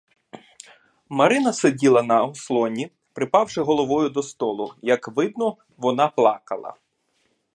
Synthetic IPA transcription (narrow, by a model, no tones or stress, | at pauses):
mɐɾɪnɐsedʲilˠɐnɐɔslˠɔnʲi | pɾɪpɑwʃɪɦɔlˠɔʋɔjʊd̪ɔst̪ɔlˠʊjɐkʋɪd̪̚nɔ | ʋɔnɑplˠɑkɐ̰lˠɐ̰